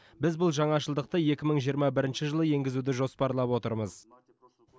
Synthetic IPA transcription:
bɪzbʊlˠʒɑɴɑʃəlˠd̪əq̚t̪əje̞kʲɪməɴʒijəɾmɑbɪɾɪnʃɪʒəlˠəje̞ŋɡʲɪzud̪ɪʒo̞spɑɾlˠɑpwo̞t̪əɾməz

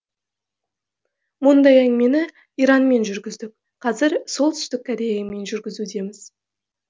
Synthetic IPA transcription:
mʊnd̪ɑjæŋme̞nɪ | ijɾɑnme̞nʒʏɾɡʲɪzd̪ɪk̚ | qʰɑzɪɾso̞lˠt̪ʰʏ̥st̪ɪkʲːʰæd̪e̞jɪme̞nʒʏɾɡʲɪzud̪e̞mɪz̥

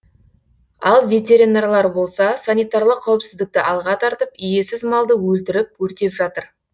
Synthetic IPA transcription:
ɑ̰lˠvʲe̞t̪ʲe̞ɾinarlˠɑɾbo̞lˠsɑsanʲijt̪ɑrlˠəqʰːɑwɪpsɪzd̪ɪk̚t̪ɪʔɑlˠʁɑt̪ʰɑɾt̪əpʏje̞sɪzmɑlˠd̪əwɵlt̪ɪɾɪp̚wɵɾt̪e̞pʒɑt̪əɾ

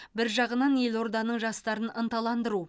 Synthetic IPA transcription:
bɪɾʒɑʁənɑnje̞lo̞ɾd̪ɑnəɴʒɑst̪ɑɾənənt̪ɑlˠɑnd̪əɾu

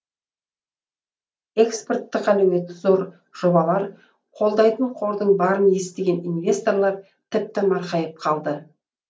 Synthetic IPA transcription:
e̞kspo̞rt̪ːɪqælewe̞t̪ːɪzo̞ɾ | ʒ̥o̞bɑlˠɑɾ | qʰo̞lˠd̪ɑjt̪əɴqʰo̞ɾd̪əɴbɑɾənje̞st̪e̞ɡʲe̞ninvʲe̞st̪o̞rlˠɑɾ | t̪ʰɪp̚t̪ɪmɑɾqɑjəp̚qʰɑlˠd̪ə

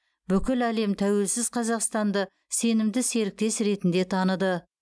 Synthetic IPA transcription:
bʏkʲɪlæle̞mt̪ʰæwe̞lsɪzqʰɑzɑqst̪ɑnd̪ə | se̞nɪmd̪ɪse̞ɾɪk̚t̪e̞sɾe̞t̪ɪnd̪e̞t̪ʰɑnəd̪ə

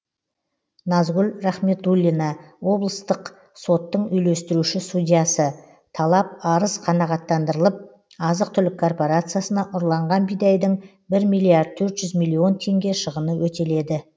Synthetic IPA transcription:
nɑzɡʲʏlraχme̞t̪ulʲːinɑwo̞blˠəst̪əq | so̞t̪ːəɴʏjle̞st̪ɪɾuʃɪsud̪ʲijasə | t̪ʰɑlˠɑp̚ɑɾəsqʰɑnɑʁɑt̪ːɑnd̪əɾəlˠəp̚ | ɑzəq̚t̪ʰʏlɪkʰːo̞rpo̞ɾat̪sɨjasənɑʔʊɾlˠɑɴʁɑnbijd̪ɑjd̪əɴ | bɪɾmijlːiaɾd̪̚t̪ʰɵɾt̪ʒ̥ʏzmijlʲːio̞nt̪ʰe̞ŋɡʲe̞ʃəʁənəwɵt̪e̞le̞d̪ɪ

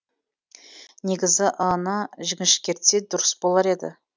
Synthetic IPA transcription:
ne̞ɡʲɪzɪʔɑnɑʒɪɡʲɪʃkʲe̞ɾt̪sed̪ʊɾəsbo̞lˠɑɾe̞d̪ɪ̰

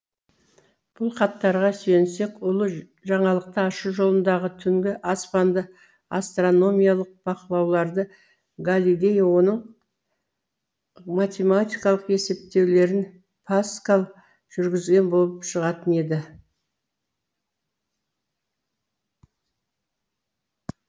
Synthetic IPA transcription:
b̥ʊlˠqɑt̪ːɑɾʁɑsɵjense̞kʊlˠə | ʒɑɴɑlˠəq̚t̪əɑʃuʒo̞lˠənd̪ɑʁət̪ʰʏŋɡʲɪʔaspɑnd̪ə | ast̪ro̞no̞mʲijalˠəq̚b̥ɑqəlˠɑwlˠɑɾd̪ə | ɡalʲilʲe̞jwo̞nəɴ | mat̪ʲe̞mat̪ʲijkɑlˠəqe̞se̞p̚t̪e̞wle̞ɾɪn | pʰaskalˠ | ʒ̥ʏɾɡʲɪzɡʲe̞nbo̞lˠəpʃəʁɑt̪əne̞d̪ɪ

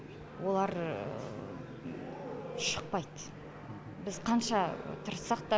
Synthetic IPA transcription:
wo̞lˠɑɾ | ʃəq̚pɑjd̪ | bɪzqʰɑnʃɑt̪ʰʊɾsɑq̚t̪ɑ

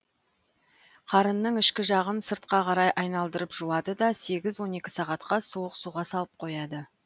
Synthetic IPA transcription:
qʰɑɾənːəɴɪʃkʲɪʒɑʁənsəɾt̪̚qɑqʰɑɾɑjʔɑjnɑlˠd̪əɾəpʒuwɑd̪əd̪ɑse̞ɡʲɪzwo̞ne̞kʲɪ̥sɑʁɑt̪qɑsuwəqsuʁɑsɑlˠəp̚qʰo̞jɑd̪ə

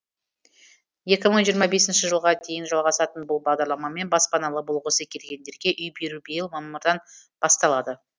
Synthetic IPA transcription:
je̞kʲɪməɴʒijəɾmɑbe̞sɪnʃɪʒəlˠʁɑd̪e̞jɪnʒɑlˠʁɑsɑt̪ənbʊlˠbɑʁd̪ɑɾlˠɑmɑme̞nbɑspɑnɑlˠəbolˠʁəsəkʲʰe̞lɡʲe̞nd̪e̞ɾɡʲe̞ʔʏjbe̞ɾubejɪlˠmɑmʊɾd̪ɑnb̥ɑst̪ɑlˠɑd̪ə

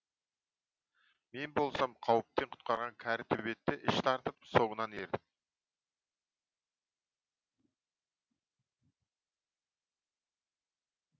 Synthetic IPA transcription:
me̞nbo̞lˠsɑmqʰɑwəp̚t̪eɴqʰʊ̥t̪̚qɑɾʁɑŋkʲʰæɾɪt̪ʰɵβe̞t̪ːɪʔɪʃt̪ʰɑɾt̪əp̚so̞ʁənɑne̞ɾd̪ɪk

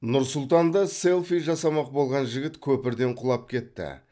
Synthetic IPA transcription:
nʊɾsʊlˠt̪ɑnd̪ɑse̞lˠfijʒɑsɑmɑq̚bo̞lˠʁɑnʒɪɡʲɪt̪kʲʰɵpɪɾd̪e̞ɴqʰʊlˠɑp̚kʲʰe̞t̪ːɪ̰

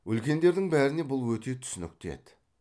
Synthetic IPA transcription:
ɵlkʲe̞nd̪e̞ɾd̪ɪŋbæɾɪne̞bʊlˠwɵt̪e̞t̪ʰʏ̥sɪnɪ̰k̚ʲt̪e̞̰d̪ɪ

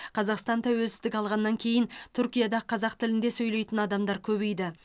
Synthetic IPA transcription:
qʰɑzɑqst̪ɑnt̪ʰæwelsɪzd̪ɪkʲɑlˠʁɑnːɑŋkʲʰe̞jɪnt̪ʰʊɾkʲijad̪ɑqʰɑzɑqt̪ʰɪlɪnd̪e̞sɵjle̞jt̪ɪnɑd̪ɑmd̪ɑɾkʲʰɵbe̞jd̪ɪ

